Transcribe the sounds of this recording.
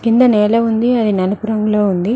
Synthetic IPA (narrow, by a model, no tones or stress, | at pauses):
kind̪ɐneːlɐund̪iɐðinɐnupuɾɐŋɡuloːund̪i